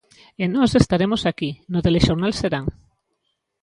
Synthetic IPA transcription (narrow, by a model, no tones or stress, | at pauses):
enɔsest̪aɾemosakinoðeleʃoɾnalseɾaŋ